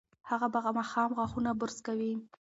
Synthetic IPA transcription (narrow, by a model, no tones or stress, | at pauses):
haɣabaɣamɑxɑmɣwaxunabʊɾzkawi